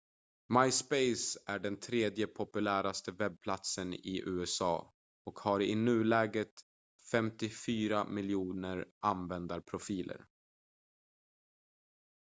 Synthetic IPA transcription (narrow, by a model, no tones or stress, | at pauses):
majspejsæɖɛnt̪ʰɾeːd̪jəpʰʊpɵlæːɾast̪əvɛb̚pʰlat̪sənɪ̰ʔʉ̟ːɛsɑ̰ː | ɔkhaɾɪnʉ̟ːlɛːɡɾət̪ | fɛmt̪ɪfyːɾamɪljuːnəɾʔanvɛnd̪aɾpʰɾʊfiːlə̰ɾ